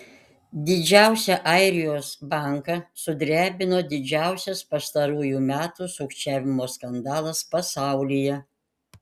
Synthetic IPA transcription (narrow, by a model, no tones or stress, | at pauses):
d̪ʲɪd͡ʒʲæˑʊsʲɛʔɐɪɾʲɪjoːsbɑˑŋkɑsʊd̪ʲɾʲæːbʲɪnoːd̪ʲɪd͡ʒʲæˑʊsʲɛspɐst̪ɐɾuːjuːmʲæːt̪usʊkt͡ʃʲæːʋʲɪmoːskɐnd̪ɑːlˠɐspɐsɑˑʊlʲijɛ